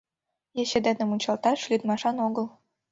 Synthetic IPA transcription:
jĕɕĕd̪enɘ̆munʲt͡ɕɑlt̪ɑʃlʲid̪mɑʃɑnoɣɤl

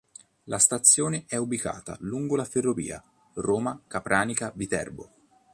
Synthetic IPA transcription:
lʔast̪at̪sːjoːneʔɛubika̰ːt̪a̰luŋɡolaferːovḭːa̰ | roːmakapɾʔaːnikavit̪ɛ̰rbo̰

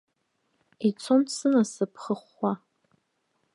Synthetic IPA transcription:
it͡sʰomsɨnasɨpʰχəχʷːa

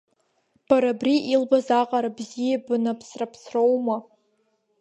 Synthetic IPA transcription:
b̥aɾabriʔilbazaqʼaɾabzijabɨnapʰsrapʰsrowma

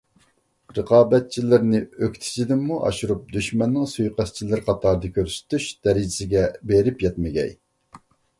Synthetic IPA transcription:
ɾəqɑːbɛt̪̚t͡ʃʰilɪɾnɪøkʲt̪ʰɪ̥t͡ʃʰid̪ɪmːuʔɑ̰ʃuɾup̚d̪yʃmɛnːɪŋsujqæst͡ʃʰilɪɾqʰɑt̪ʰɑɾd̪ɨkʲøɾsɪ̥t̪yʃd̪̥ɛɾɪd͡ʒɪsɪɡʲɛbeɾɪpjɛt̪mɪɡʲɛ̰j

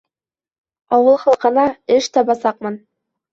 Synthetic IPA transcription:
ɑwɤlˠχɑlˠqɤ̆nɑɘʃt̪ɑbɑsɑqmɤn

